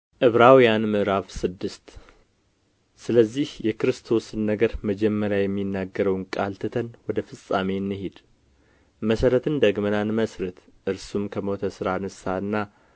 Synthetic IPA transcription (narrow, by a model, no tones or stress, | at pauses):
ʔɨβɾawjanmɨʔɾafsɨd̪ːɨst̪ | sɨləzːihjɛkɨɾɨst̪ʰo̞sɨnːəɡəɾməd͡ʒɛmːəɾjajɛmːinːaɡːəɾəwnkʼalt̪ʰɨt̪ʰənwɔd̪əfɨsʼame̞nːɨhed̪ | məsəɾət̪ʰɨnd̪əɡmənanməsɾət̪ʔɨɾsumkʰəmot̪ʰəsɨɾanɨsaɨnːa